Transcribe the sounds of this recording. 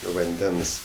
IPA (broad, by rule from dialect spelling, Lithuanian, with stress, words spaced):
ʋɐnʲˈdʲɛns